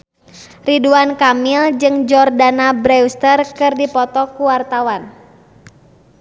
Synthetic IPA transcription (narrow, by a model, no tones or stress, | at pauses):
riduankamild͡ʒɨŋd͡ʒɔrdanabɾɛwst̪ərkɨrdipɔt̪ɔkuwart̪awan